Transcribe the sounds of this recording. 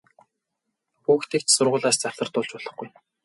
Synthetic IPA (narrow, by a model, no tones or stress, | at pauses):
uːxt̪ʰeːkt͡ɕsʊrʁʊːɮaːst͡saw̥ʲɮə̆r̥t̪ʊːɮt͡ɕpʊɮə̆χɡuj